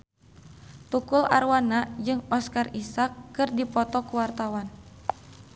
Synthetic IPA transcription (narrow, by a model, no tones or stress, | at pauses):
t̪ukula̰rwanad͡ʒɨŋɔskarisakːɨrdipɔt̪ɔkuwart̪awan